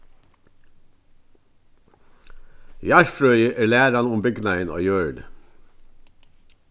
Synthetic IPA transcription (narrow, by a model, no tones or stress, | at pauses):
jɑɹfɾœʏəʔæːɹlæːɾanʊmbʏɡnajəno̰ːjøːɹnə̰